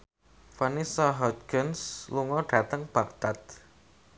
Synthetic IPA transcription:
fanisaɦɔt̪̚ɡɪnsluŋɔɖ̥a̤t̪əŋb̥a̤k̚t̪at̪̚

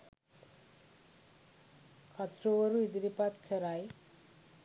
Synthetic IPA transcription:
kʰat̪roʌɾuid̪iɾipat̪kʰeɾaj

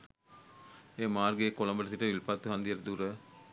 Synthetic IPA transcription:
eːmaːrɡeːkolombəʈəsiʈəʋilpat̪ːuɦand̪iəɾəd̪uɾə

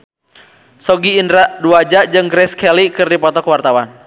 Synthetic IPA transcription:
sɔɡiːndɾaʔduad͡ʒaʔd͡ʒɨŋɡɾɛskɛlikɨrdipɔt̪ɔkwart̪awan

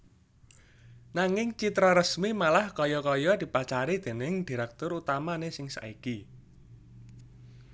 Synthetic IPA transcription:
naŋɪŋt͡ʃit̪ɾɔɾəsmimalahkɔjɔkɔjɔd̪̥i̤pat͡ʃaɾid̪̥e̤nɪŋd̪̥i̤ɾɛk̚t̪ʊɾut̪amanesɪŋsa̰ʔiki

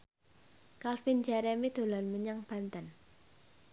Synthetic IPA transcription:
kalfind͡ʒaɾɛmid̪̥o̤lanməɲaŋb̥a̤nt̪an

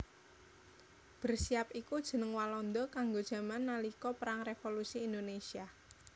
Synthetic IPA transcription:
b̥ərsiapikud̥ʒ̥ə̤nəŋwalɔnd̪ɔkaŋɡod̥ʒ̥ä̤manːalikɔpəɾaŋrefolusiːnd̪onesia

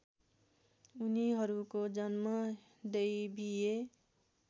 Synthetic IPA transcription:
uniɦʌɾukod͡ʒʌnmʌ | d̪eibie

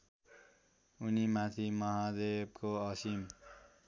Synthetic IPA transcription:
unimat̪ʰimʌɦad̪eb̚koʌsim

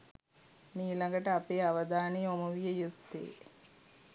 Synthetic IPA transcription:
miːlɐŋɡɐʈəapejaʋɐd̪ʱaːɳiomuʋijɐjut̪ːḛː

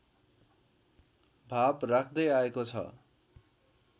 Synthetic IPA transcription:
bʱabrakʰd̪ʌjaekot͡sʰʌ̰

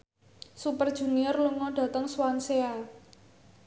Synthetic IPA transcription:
supərd̥ʒ̥ṳniɔrluŋɔɖ̥ä̤t̪əŋswansea

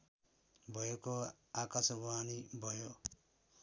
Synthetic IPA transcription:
bʱʌjeko | akasʌbaanibʱʌjo

